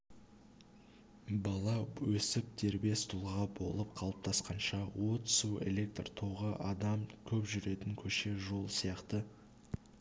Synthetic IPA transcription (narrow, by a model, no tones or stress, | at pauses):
bɑlˠɑwɵsɪp̚t̪ʰe̞ɾbe̞st̪ʰulˠʁɑbo̞̰lˠəp̚qʰɑlˠəp̚t̪ʰɑsqɑnʃɑwo̞t̪sue̞̰lʲe̞k̚t̪rt̪ʰoʁəʔɑd̪ɑmkʲʰɵpʒʏɾe̞t̪ɪŋkʲʰɵʃe̞ʒo̞lˠsijɑqt̪ə